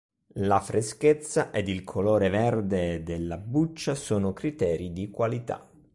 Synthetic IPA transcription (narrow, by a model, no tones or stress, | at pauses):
lafɾʔesket̪sːaʔed̪ilkʰoloːɾevɛrd̪ed̪elːabut͡ʃːasoːnokɾit̪ɛːɾid̪ikwalit̪a̰